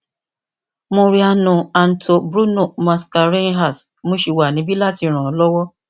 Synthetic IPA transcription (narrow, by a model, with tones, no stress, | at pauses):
mõ˧ɾi˧˦a˧nũ˨a˨n̩˨tʰo˧bɾu˦no˦˨ma˧ska˧ɾĩ˦ɦa˦˨s | mõ˧ʃi˧wa˨nĩ˨˦bi˦la˦˨ti˧ɾ̃ã˨˦lɔ˦wɔ˦